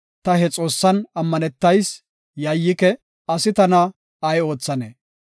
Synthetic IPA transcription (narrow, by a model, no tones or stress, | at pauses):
t̪ɐɦɛt͡sʼo̞ːsːɐnɐmːɐnɛt̪ːɐjs | jɐjːɪkɛ | ɐsɪt̪ɐnɐ | ɐjo̞ːt͡sːɐnḛ